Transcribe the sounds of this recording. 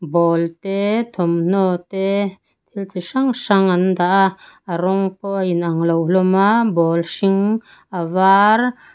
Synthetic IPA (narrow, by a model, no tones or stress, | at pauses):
bɔlt̪ɛt̪ʰɔmn̥ɔt̪ɛ | t̪ʰilt͡siʂaŋʂaŋand̪aʔaɾɔŋpɔjinaŋlɔwlɔmabɔlsiŋ | avaɾ